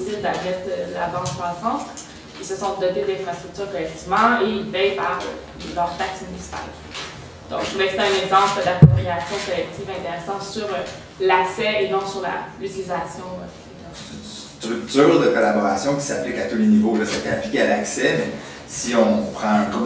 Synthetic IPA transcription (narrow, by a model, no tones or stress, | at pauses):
sɪld̪aɛt̪d̪əla̰bɑ̃k̪əkχwasɑ̃t̪ | ilsəsɔ̃d̪ɔt̪ed̪əlɛ̃fχʁast̪ʁyk̚t̪yːʁkɔlɛk̚t̪ivmɑ̃eilvɛjpaʁ̰ | lœʁt̪aksmynisi̥pa̰l | d̪̥ɔ̃kʒuvɛseɛ̃nɛɡzɑ̃pləd̪aptt̪ʁiasjɔ̃kɔlɛk̚t̪ivɛ̃t̪eʁɛsɑ̃syʁ | laksɛenɔ̃ksyʁla̰yt̪ilizasjɔ̃ | id̪ | t̪ynst̪ʁyk̚t̪yːʁd̪əkɔlabɔʁasjɔ̃kʲi̥saplɪkat̪ulenivoləsat̪ɛɛ̃plikʲealaksɛmɛ | siɔ̃pχɑ̃ə̃ɡ